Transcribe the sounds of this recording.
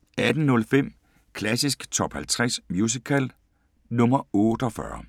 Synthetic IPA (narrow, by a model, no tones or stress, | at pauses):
ʔæd̥n̩nɔ̽lfem̰ | kʰlæsisɡ̥t͡sʰɒ̽b̥hælt͡sʰʁɛsmjus̬ikʰæl | nɔ̽mɐɔ̽ːd̥ɒ̽fɶ̰ːɐ